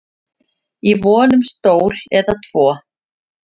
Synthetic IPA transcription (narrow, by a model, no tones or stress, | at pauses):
ivɔːnʏmst̪oːwlɛðat̪ʰv̥ɔː